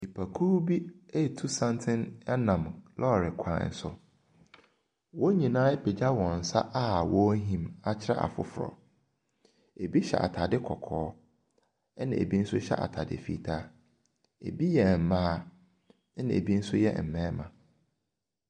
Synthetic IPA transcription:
i˨pʰa˨kʰu˦bi˦e˦˨tʰu˦sã˦n˦tʰɪ̃˦nɛ˦nã˨mlʔɔ˦˨ɾɪ˨kʷʰã̰˨n̩˨sʊ̰˨ | wɔ˦ɲĩ˨nãː˦e˦pʰe˨d͡ʑa˦wɔ̃˨n̩˨sa̰˦ʔa˦wɔ˦ɦĩ˨ma˨t͡ɕʰɪ˦ɾa̰˦ʔa̰˨fʊ̰˨fʊ˨ɾɔ̰˨ | e˨bi˦ɕɛ̰˨ʔa̰˨tʰa˨dɪ˦kʰɔ˨kʰɔː˨˦ | nã̰˨ʔḛ˨bi˦n̩˦sʊ˦ɕɛ̰˦ʔa̰˨tʰa˨dɪ̰˨fḭ˨tʰaː˦ | ḛ˨bi˦jɛ˨m̩˨mãː˦ | nã̰˨ḛ˨bi˦n̩˦sʊ˦jɛ̰˦m̩˨mɛ̃ː˦mã˨

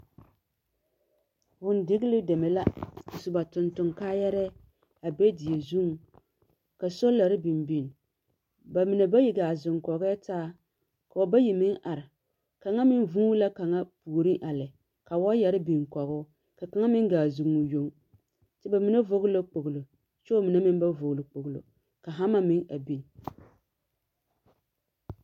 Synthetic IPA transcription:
wʊ˨n˦dɪ˦ɡɪ˦lɪ˦dɛ˨mɛ˨la˦ku˨sʊ˨ba˨tʊ˨ntʊ˨ŋkaː˦jɛ˦ɾɛ˦ | a˨be˦dɪ˨je˨zu˦ŋ˨ | ka˨sɔ˦la˨ɾɪ˦bi˨mbi˦˨n | ba˨mɪ˨nɛ˨ba˦ji˨ɡaː˨zʊ˨ŋkɔ˨ɣɛ˦taː˦ | ka˨wɔ˨ba˦ji˨mɪ˦ŋʔa˨ɾɪ˨ | ka˨ŋa˦mɪ˦n˦vu˦la˦ka˨ŋa˦pu˨ɾi˦ʔa˨lɪ˨ | ka˨wa˦jɛ˨ɾɪ˦bi˨ŋ˨kɔ˨ɣʊ˦ | ka˨ka˨ŋa˦mɪ˦ŋɡaː˨zʊ˨ŋu˨jo˦ŋ | tɪ˦ba˨mɪ˨˦na˦vo˦ɣʊ˦lo˦k͡po˨ɡlo˨ | t͡ʃo˦mi˨na˦mɪ˦n˦ba˦vo˨ɣlo˨k͡po˨ɡlo̰˨ | ka˨ɦa˦ma˦mɪ˦ŋa˨bi˨n˨

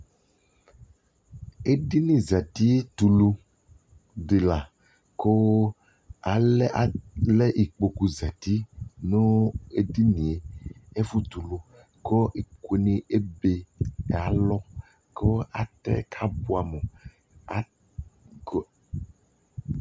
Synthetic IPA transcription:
e˦ɖi˦nĩ˨za˨t̪i˦t̪u˨lu˦ | ɖe˨la˨ | ko˦ | a˨le˦ʔa˨le˦ʔi˨k͡po˨ku˨za˨t̪i˦nũ˦e˦di˦nĩ˨e˨e˦fu˦t̪u˨lu˦ | ko˦ʔi˨ke˨nĩ˦ʔe˦be˨a˨lɔ˦ | ko˦a̰˨t̪ɛ̰˦kʰa˦bu˦a˨me˨ | a˨

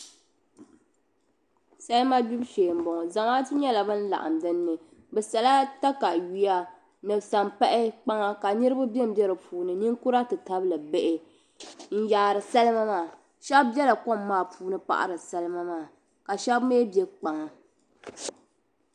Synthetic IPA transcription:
sa˦lɨ˦ma˦du˦bʃeː˨m̩˨bɔ˨ŋ˨za˨ŋa˦tɨ˦ɲɛ˦la˨bɨ˦n̩˦la̰˨ʔa̰˨m̩dɨ˦nːɨ˨ | bɛ˨sa˨la˦ta˦ka˨ji˨˦ja˦ | nɨ˨bsa˨mpa˦ʔɪ˦k͡pa˦ŋa˦ka˨ɲɨ˦ɾɨ˦bɨ˦bɛ˦m˦bjɛ˦ɾɨ˨pʰuː˨nɨ˨ni˦ŋku˦ɾa˦tɨ˨ta˦blɨ˨be˦ʔɪ˦ | n̩˦jaː˨ɾɨ˨sa˦lɨ˦ma˦maː˦˨ | ʃɛ˦bbɛ˦la˨ko˦mːaː˦˨puː˦nɨ˦pa̰˨ʔa̰˨ɾɨ˨sa˦lɨ˦ma˦maː˦˨ | ka˨ʃɛ˦bmeː˦bjɛ˦k͡pa˨ŋa˨

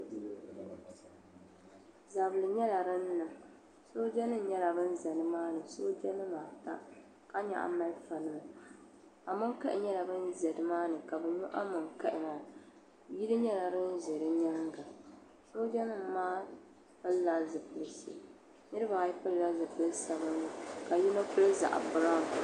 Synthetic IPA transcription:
za˨bɨ˨lɨ˨ɲɛ˦la˨ɾɨ˦nː˦ɨ˨ | soː˦d͡ʒɛ˦nɨ˦ɲɛ˦la˨bɨ˦n˦zɛ˨nɨ˦maː˦nɨ˨so˦d͡ʒɛ˦nɨ˦ma˨ta̰˦ | ka˦ɲa̰˨ʔa̰˨ma˦lfa˨lɨ˦mɨ˨ | a˨mɨ˦ŋka˦ʔɪ˨ɲɛ˦la˨bɨ˦nzɛ˨dɨ˨˦maː˦nɨ˨ka˨bɛ˨ɲɔ˦ʔa˦mɨ˨ŋkɛ˦ʔɪ˨na˨ | ji˦dɨ˦ɲɛ˦la˨ɾɨ˦n˦zɛ˨ɾɨ˦ɲa˦ŋɡa˨ | soː˦d͡ʒɛ˦nɨ˦m˨maː˦ | pɨ˦lːa˦zɨ˨pɨ˦lɨ˦sɨ̰˨ | nɨ˦ɾɨ˦ba˨ji˦pɨ˦lːa˦zɨ˨pɨ˦lɨ˦sa˨bɨ˦nɨ˨ka˨ji˦nɨ˦kʊ˦lɨ˦za̰˨ʔa̰˨bɨ˨ɾa˦˨m˨

